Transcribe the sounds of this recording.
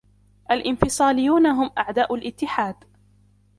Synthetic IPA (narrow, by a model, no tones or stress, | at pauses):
ʔalʔɪnfɪsˤɑːlɪjːuːnaɦʊmʔaʕd̪aːʔʊlʔɪt̪ːɪħaːd̪